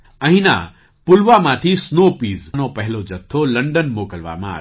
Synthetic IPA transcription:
ɐ̃ɦĩna̰ | pʊlʋamãt̪ʰisnoːpiːznopɐɦɪlod͡ʑɐt̪ʰːolɐ̃ɳɖənmoːkəlʋa̰mãa̰ː

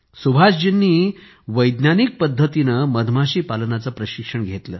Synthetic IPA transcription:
subʱaɕd͡ʑinːiː | ʋəjd̪nanik̚pəd̪ʱːət̪inəməd̪ʱmaɕiːpalənat͡səːpɾəɕikʂəɳɡʱet̪ləː

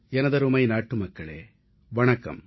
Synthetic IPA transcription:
ɛnɐd̪ɐɾumɐjnaːʈːumɐkːɐɭḛː | ʋɐɳɐkɐ̰m

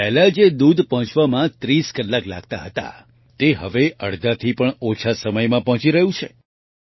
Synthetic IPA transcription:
pɛɦlad͡ʒed̪ud̪ʱpɔɦɔ̃t͡ʃʋamãt̪ɾiskəlːakla̰ɡ̚t̪aɦət̪a̰ | t̪eɦəʋeʔəɽd̪ʱat̪ʰipəɳot͡ʃʰasəməjmãpɔɦɔ̃t͡ʃiɾəɦjũt͡ʃʰe

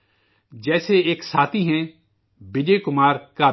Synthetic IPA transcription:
d͡ʒɛːseːeːksaːt̪ʰiːɦɛ̃ː | bɪd͡ʒeːkʊmaːɾkaː

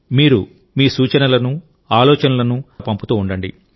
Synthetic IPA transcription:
miːɾu | miːsuːt͡ʃɐnɐlɐnu | aːlɔːt͡ʃɐnɐlɐnupɐmput̪uːuɳɖɐɳɖḭ

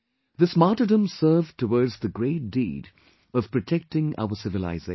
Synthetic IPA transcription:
ðɪsmɑtədə̃msɜ˞vtʰəwɔɹdzðəɡɹeɪt̚d̥ḭːd | ʌv̥pɹ̥ɨtʰɛk̚tɪ̃ŋa̰ʊəsɪvɨla̰ɪze

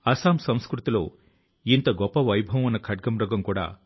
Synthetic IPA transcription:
ɐsaːmsɐmskɾut̪ilo̰ː | int̪ɐɡɔpːɐʋɐjbʱɐʋmɐnːɐkʰɐʈ̚ɡɐmɾɔɡɐmkuːɽa̰ː

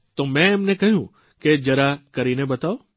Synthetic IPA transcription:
t̪omɛ̃emnekəɦjũ | ked͡ʒəɾakəɾinebət̪ao

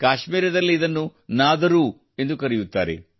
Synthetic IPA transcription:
kaːʃmiːɾɐd̪ɐlːiːd̪ɐnːunaːd̪ɐɾu | e̞nd̪ukɐɾijut̪ːa̰ːɾḛ

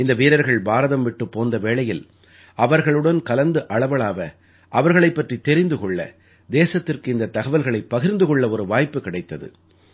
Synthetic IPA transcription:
ɪnd̪ɐʋiːɾɐɾɣɐɭbaːɾɐðɐmʋɪʈːɯpːoːnd̪ɐʋeːɭɐjɪl | ʔɐʋɐɾɣɐɭɯɽɐnkɐlɐnd̪ɯʔɐɭɐʋɐɭaːʋɐ | ʔɐʋɐɾɣɐɭɐɪpːɐʈrit̪ɛɾɪnd̪ɯkɔɭːɐ̰ | d̪eːsɐt̪ːɪrkɯɪnd̪ɐt̪ːɐɣɐʋɐlɣɐɭɐɪpːɐɣɪɾnd̪ɯkɔɭːɐɔɾɯʋaːjpːɯkɪɽɐɪt̪ːɐðɯ̰

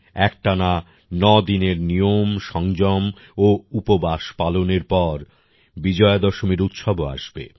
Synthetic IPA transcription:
ɛk̚ʈana | nɔd̪ineɾnijomʃɔŋd͡ʑɔm | oupobaʃpaloneɾpɔɾ | bid͡ʑɔed̪ɔʃomiɾut̪ʃɔboa̰ʃbḛ

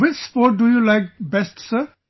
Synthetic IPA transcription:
wɪt͡ʃspɔːʈ̚dujulaɪk̚bɛsʈsə

